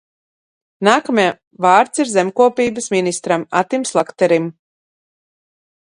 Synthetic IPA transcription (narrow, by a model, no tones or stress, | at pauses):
naːkamʲa | vaːɾt̪siɾzɛmkuɔpiːbəsminist̪ɾama̰t̪imslˠakt̪ɛɾim